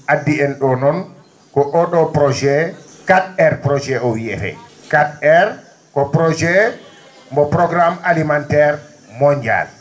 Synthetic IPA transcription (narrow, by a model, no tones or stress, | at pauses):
adːiɛnɗɔnɔn | kɔʔɔɗɔpɾɔd͡ʒɛ | kaɗɛɾpɾɔd͡ʒɛɔwiɛ̰ɾɛ̰ | kadɛɾ | kɔpɾɔd͡ʒɛ | mbɔpɾɔɡɾamalimantɛɾ | mɔɲd͡ʒa̰l